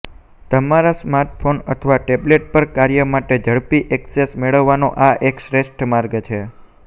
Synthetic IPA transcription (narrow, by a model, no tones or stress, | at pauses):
t̪əmaɾasmaɾʈfʰonət̪ʰəʋaʈebleʈ̚pəɾkaɾjəmaʈed͡ʒəɭpiʔɛksesmeɭəʋːanoʔaʔekʃɾesʈmaɾɡt͡ʃʰe